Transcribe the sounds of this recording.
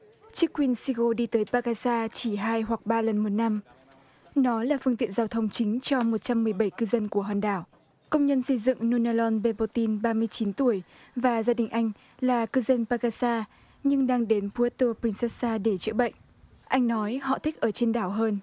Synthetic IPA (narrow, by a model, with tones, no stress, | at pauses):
t͡ɕɨ˦˥k̚kːwi˧˩ənsi˧ɣo˧ɗi˧t̪əː˨˦jpaː˧ɣaː˧saː˧t͡ɕi˧˩ɦaː˧jhwa˨˩k̚ɓaː˧lə˨˩nmo˨˩t̚na˧m | nɔ˨˦laː˨˩fɨ˧ŋt̪ḭ˧˨ənzaː˧wt̪ʰə˧wŋ͡mt͡ɕï˨˦ŋ̟t͡ɕɔ˧mo˨˩t̚t͡ɕa˧mːɨ˨˩əjɓə˧˩jkɨ˧zə˧nku˧˩əɦwaː˨˩nɗaː˧˩w | kə˧wŋ͡mɲə˧nsə˧jzɨ̰˧˨ŋnu˧naː˧lɔ˧nɓe˧po˧t̪i˧nɓaː˧mɨ˧əjt͡ɕi˨˦nt̪u˧˩əj | vaː˨˩zaː˧ɗï˨˩ŋ̟ʔa˧jŋ̟ | laː˨˩kɨ˧zə˧npaː˧ɣaː˧saː˧ | ɲɨ˧ŋɗaː˧ŋɗe˨˦npu˨˦ə˦t̪o˧pɾi˧nsɛ˦˥saː˧ɗe˧˩t͡ɕɨ̰˧˥ɓə̰˧˨jŋ̟ | ʔa˧jŋ̟nɔ˨˦jhɔ̰˧˨t̪ʰï˦˥k̟̚ʔəː˧˩t͡ɕe˧nɗaː˧˩wɦəː˧n